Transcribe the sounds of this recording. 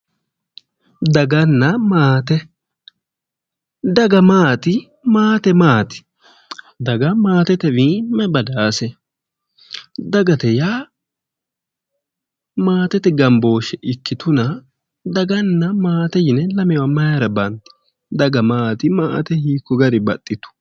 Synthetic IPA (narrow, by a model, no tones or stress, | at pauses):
d̪ɐɡɐnːɐmaːt̪ɛ | d̪ɐɡɐmaːt̪ɪ | maːt̪ɛmaːt̪ɪ̥ | d̪ɐɡɐmaːt̪ɛt̪ɛwiːmːɛbɐd̪aːsɛ | d̪ɐɡɐt̪ɛjaː | maːt̪ɛt̪ɛɡɐmbo̞ːʃɛʔɪkːɪt̪ʊnɐ | d̪ɐɡɐnːɐmaːt̪ɛjɪnɛlɐmɛwɐmɐjaɾɐbɐnt̪ɛ̥ | d̪ɐɡɐmaːt̪ɪma̰ːt̪ɛhiːkːɔɡɐɾɪbɐt̪ʼːɪt̪ʊ̥